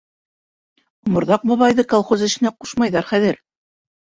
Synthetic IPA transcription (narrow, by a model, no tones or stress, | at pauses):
mŏɾðɑq̚bɑβɑjðɤkolˠχozɘ̆ʃɘ̆næquʃmɑjðɑɾχæðɘɾ